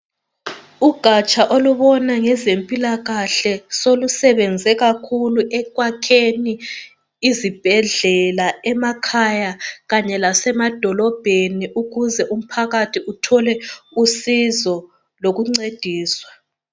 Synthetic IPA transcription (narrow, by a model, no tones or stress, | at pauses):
uɡ̥ʱat͡ʃʼaʔoluβɔnaŋɛzempʼilaɣaɬɛsolusɛβɛnd͡zʱɛɣakʰuluʔɛkwakʰeniː | zib̥ʱɛɮɛlaɛmakʰajaɣaɲɛlasɛmad̥ʱɔlɔb̥ʱeniʔuɣuzɛʔum̩pʰaɣatʰiʔutʰɔlɛusizɔ | loɣuŋ͡ǀed̥ʱiːswa